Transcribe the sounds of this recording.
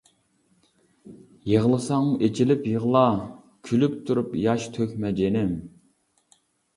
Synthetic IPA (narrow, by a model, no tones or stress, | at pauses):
jeʁəlˠɨsɑŋet͡ʃʰilɪpjəʁlˠɑ | kʲʰylypt̪ʰuɾupjɑʃt̪ʰøkʲmɛd͡ʒenɪm